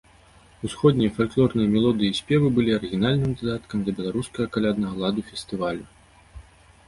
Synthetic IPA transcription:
usxɔd̪ʲnʲijɐfalʲklˠɔrnɨjɐmʲɛlˠɔd̪ɨjɐisʲpʲɛvɨbɨlʲiɐɾɨɣʲin̪alʲnɨmd̪ad̪at̪kɐmd̪lʲɐbʲɛlˠaɾuskɐɣɐkalʲad̪nɐɣɐlˠad̪ufʲɛst̪ɨvalʲu

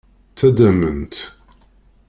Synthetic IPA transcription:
t͡sːæd̪æmənt̪

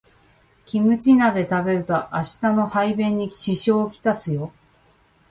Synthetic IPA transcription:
kʲimɯ̟t͡ɕinad̪e̞t̪abe̞ɾɯ̟t̪oʔaɕi̥t̪ano̞haibẽ̞ɲ̟ːiɕiɕoːkʲi̥t̪asɨjo̞

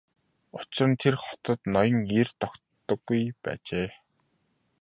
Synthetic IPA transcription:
ʊt͡ɕɪ̆rə̆nt̪ʰerχɔ̥t̪ə̆t̪nɔjə̆ŋert̪ɔkt̪ːə̆ɡːujpæ̰ːt͡ɕeː

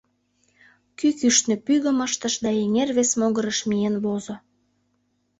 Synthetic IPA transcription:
kykyʃt̪nø̆pyɣə̆məʃt̪əʃd̪ɑeŋerβesmoɣəɾəʃmienβozo

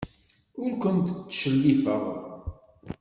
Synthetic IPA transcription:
ʊɾkʷənt̪t͡sːʃəlːifəʁ

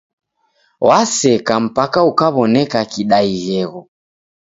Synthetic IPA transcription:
wasɛkam̩pakaukaβɔnɛkakiɗaiɣɛɣɔ

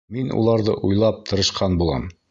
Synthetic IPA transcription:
minʔṵlˠɑɾðɤʔujlˠɑp̚t̪ʰɤ̆ɾɤ̆ʃqɑnbulˠɑ̰m

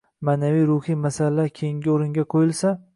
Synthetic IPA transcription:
maːnavijɾʊhimasallːaɾkʲʰejɪŋɡʲɪoɾɪŋɡʲaqʰojɪlsa

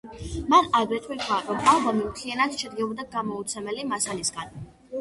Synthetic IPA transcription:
manabɾɛt̪ʼwɛt̪ʰaɾɔmalˠbamiuχʰiɛnat̪ʃɛd̪ɡɛlɔd̪aɡamɔut̪sʰɛmɛlimasalisɡan

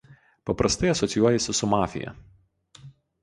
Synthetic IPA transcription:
pɐpɾɐst̪ɐɪɐsɔt̪sʲɪjuɔjɛsʲɪsʊmɑːfʲɪ̰jɛ̰

